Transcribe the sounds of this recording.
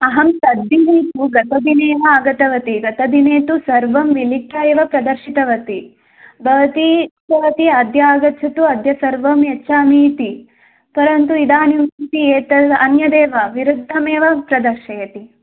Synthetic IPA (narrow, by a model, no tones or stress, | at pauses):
ɐɦɐmt̪ɐd̪ːineːt̪uɡɐt̪ɐd̪ineːʋɐaɡɐt̪ɐʋɐt̪iɡɐt̪ɐd̪ineːt̪usɐɾʋɐmʋilikjaːeʋɐpɾɐd̪ɐɾʃit̪ɐʋɐt̪i | bʱɐʋɐt̪iːtɐʋɐt̪iɐd̪jaːɡɐtːt͡ʃʰɐt̪uɐd̪ʱjɐsɐɾʋɐmjɐt͡ʃaːmiːt̪i | pɐɾɐnt̪uid̪aːnjut̪ieːt̪ɐɐnjɐd̪eːʋɐʋiɾud̪ʱːɐmeːʋɐpɾɐd̪ɐɾʃɐjɐt̪i